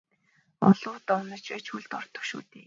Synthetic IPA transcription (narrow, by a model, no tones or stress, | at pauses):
ɔ̰ɮ̥ʊːt̪ɔwnə̆t͡ɕpæːt͡ɕxuɮt̪ɔr̥t̪ʰɞ̥̆kʃṵːt̪eː